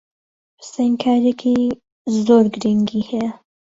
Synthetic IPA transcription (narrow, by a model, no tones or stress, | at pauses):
psɛŋkʰaːɾjekʰi | zoːɾɡɾiŋɡiːhɛja